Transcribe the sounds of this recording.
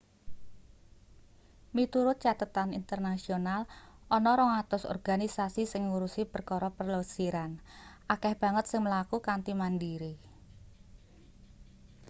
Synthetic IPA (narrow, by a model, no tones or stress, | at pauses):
mit̪uɾʊt̪̚t͡ʃat̪ət̪anint̪ərnasionalɔnɔɾɔŋat̪ʊsɔ̰rɡ̥anisasisɪŋːuɾusipərkɔɾɔpərlosiɾanʔakɛhb̥a̤ŋət̪̚sɪŋməlakukant̪imandiɾi